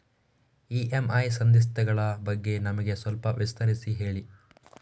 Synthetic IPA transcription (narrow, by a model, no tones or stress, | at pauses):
iːʔemɐjsɐnd̪is̬t̪ɛɡɐɭɐbɐɡːe̞nɐmɐɡe̞sʋɐlpɐʋist̪ʰɐɾisiɦe̞ːɭi